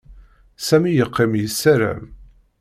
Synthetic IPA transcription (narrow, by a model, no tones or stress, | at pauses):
sæmijəqʰːɪmjəsːæɾæ̰m